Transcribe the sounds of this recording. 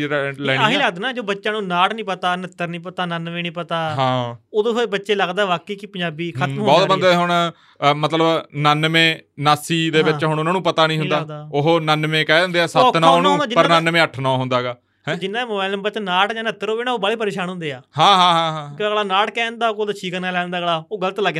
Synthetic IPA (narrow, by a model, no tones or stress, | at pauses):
lɛːaɦiləɡd̪ːnaːd͡ʒoːbətːʃãːnũːnaːʈnĩːpət̪aːnət̪ːəɾnĩːpət̪aːnənʋẽːnĩːpət̪aːɦãːoːd̪õːobətːʃeːləɡd̪aːɛʋaːkeːkɪpə̃ɲaːbiːkʰəmɦbɔːt̪bənd̪aːɦoɳ | mət̪ləbnənmẽːnaːsiːd̪eːbɪt͡ʃɦʊɳʊnãːnũːpət̪aːnĩːɦʊnd̪aːd̪aːoɦoːnənʋẽːkɛːə̃nd̪eːɛːsənãːnːd̪aːd͡ʒɪpəɾnənmẽːəʈʰnãːɦʊnd̪aːɡaː | ɦɛ̃d͡ʒɪnːãːməaːləmbətt͡ʃnaːʈd͡ʒãːnət̪ːəɾoːbeːnaːoːbəɽeːpəɾeːʃaːnɦʊ̃nd̪eːaːhãːɦãːɦãːɦãːkːɭaːnaːʈkɛ̃ːnd̪aːkod̪aːt͡ʃʰiːkənaːlɛːnd̪aːɡəɭaːoːɡələt̪ləɡ